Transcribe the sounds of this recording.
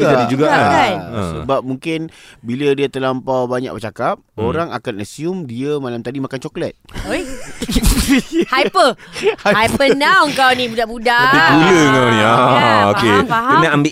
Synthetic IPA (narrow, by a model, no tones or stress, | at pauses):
ɡad͡ʒadid͡ʒuɡaaəsəbap̚muŋkɪnbilədiat̪əlampawbaɲa̰k̚bət͡ʃakap̚oɾaŋa̰kanasiumdiəmalamt̪adimakant͡ʃɔklət̪̚oj̪ | hajpəhaajpənawəŋkawnĩbudaʔbudaabiʔɡuləəŋkawniaokeaɦaənaambɪʔ